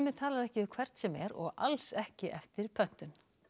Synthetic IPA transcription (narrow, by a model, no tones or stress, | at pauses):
mɪt̪ʰaːlaɾɛhcɪʏkʰv̥ɛɾ̥t̪sɛmɛɾɔ̰ɣalsɛhcɪʔɛft̪ɪɾpʰœn̥t̪ʏn